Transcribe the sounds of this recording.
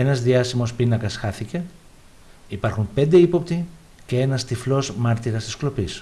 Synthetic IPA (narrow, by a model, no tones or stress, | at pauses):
e̞nɐzðiɐsimo̞spinɐkɐsxɐθice̞ | ipɐɾxumpe̞nd̪e̞ipo̞pt̪i | ce̞e̞nɐst̪iflo̞zmɐɾt̪iɾɐst̪isklo̞pis